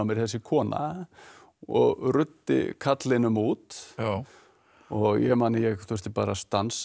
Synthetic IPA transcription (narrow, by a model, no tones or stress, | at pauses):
mɛɾ̥θɛsːɪkʰɔːna̰ | ɔɣrʏt̪ːɪ̰kʰat̪lɪnʏmuːt̪ | ɔɣjɛmaːnɪjɛɣθɛɾ̥st̪ɪpa̰ːɾast̪ans